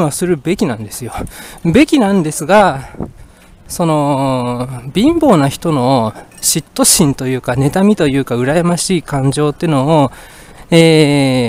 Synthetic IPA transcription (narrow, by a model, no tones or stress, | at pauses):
βasɨɾɯ̟be̞kʲinãnd̪e̞sɨjo̞be̞kʲinãnd̪e̞sɨɡa | so̞no̞ | bʲĩmbo̞ːnaçi̥t̪o̞no̞ɕit̪ːo̞ɕĩnt̪o̞jɯ̟ːkane̞t̪amʲit̪o̞jɯ̟ːkaɯ̟ɾajamaɕiːkãɲ̟d͡ʑo̞ːt̪ːenoː | eː